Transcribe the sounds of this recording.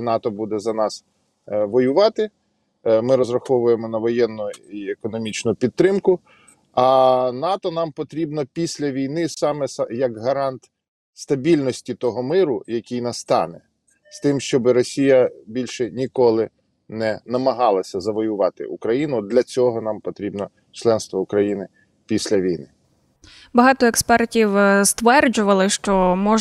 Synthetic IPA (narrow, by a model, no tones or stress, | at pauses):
nɑt̪ɔbud̪ɛzɐnɑs | ʋɔjʊʋɑt̪ɪ | mɪɾɔzrɐxɔʋʊjemɔnɐʋɔjɛnːʊiekɔnɔmʲit͡ʃnʊpʲid̪̚t̪ːɾɪmkʊ | ɐnɑt̪ɔnɑmpɔt̪ɾʲibnɔpʲisʲlʲɐʋʲijnɪsɑmɛsjɐkɦɐɾɑnt̪ | st̪ɐbʲilʲnɔsʲtʲit̪ɔɦɔmɪɾʊjɐkʲijnɐst̪ɑ̰nɛ | st̪ɪmʃt͡ʃɔbɪɾɔsʲijɐbʲilʲʃɛnʲikɔlˠɪ | nɛnɐmɐɦɑlˠɐsʲɐzɐʋɔjʊʋɑt̪ɪ̰ʔukɾɐjinʊd̪lʲɐt͡sʲɔɦɔnɑmpɔt̪ɾʲibnɔ | t͡ʃlˠɛnst̪ʋɔʊkɾɐjinɪ | pʲisʲlʲɐʋʲijnɪ | bɐɦɑt̪ɔɛkspɛrtʲiwst̪ʋɛrd͡ʒʊʋɐlˠɪʃt͡ʃɔmɔ